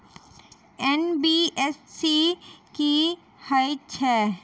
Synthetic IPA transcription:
ɛnbiːɛsːiki | haɪtʰɛː

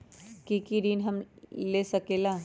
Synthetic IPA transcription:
kikiɾiːnɦɐmleːsɐkeːlaː

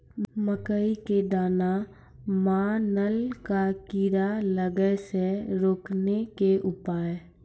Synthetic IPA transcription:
məkəiked̪aːna | mãːnəlkakiːɾaləɡəseɾoːknekeʔʊpaːe

